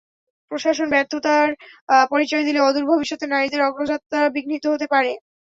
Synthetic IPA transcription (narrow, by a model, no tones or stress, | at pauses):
pɾoʃaʃonbɛɾt̪ʰot̪aɾpɔɾit͡ɕɔed̪ileɔd̪uɾbʱobiʃːot̪enaɾid̪eɾɔɡɾod͡ʑat̪ːabiɡnit̪oɦot̪epaɾe